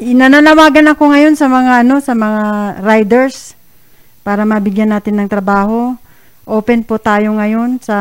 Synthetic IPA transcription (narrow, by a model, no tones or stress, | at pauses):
ʔɪnananɐwaːɡɐnɐko̞ŋɐjo̞nsɐmɐŋaʔɐno̞sɐmɐŋaɾajd̪ɛɹs | paːɾɐmɐbɪɡjanːaːt̪ɪnːɐŋt̪ɾɐbaːho̞ | ʔoːpɛnpʊt̪aːjo̞ŋɐjo̞nsɐ